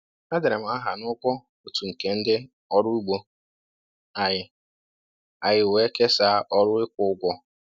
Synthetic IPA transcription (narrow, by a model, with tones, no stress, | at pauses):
a˦de˨ɾe˨m̩˨a˦ɦa˨nʊ˦kʷɔ˦ | o˦tu˨ŋ̩˨ke˨n̩˦dɪ˦ | ɔ˦ɾʊ˦u˦ɡ͡bo˦˨ | a˨jɪ˨ | a˨ɣɪ˨we˦ke˦saː˦ʔɔ˦ɾʊ˦ɪ˦kʷʊ˨˦ʊ˦ɡʷɔ˦